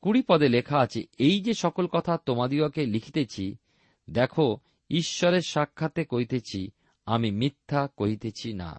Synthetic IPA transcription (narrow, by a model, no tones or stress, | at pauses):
kuɽipɔd̪elekʰaat͡ɕʰḛejd͡ʑeʃɔkolkɔt̪ʰat̪omad̪iokelikʰit̪et͡ɕʰi | d̪ɛkʰo | iʃːɔɾeɾʃakʰːat̪ekoɦit̪et͡ɕʰi | amimit̪ʰːakoɦit̪et͡ɕʰina̰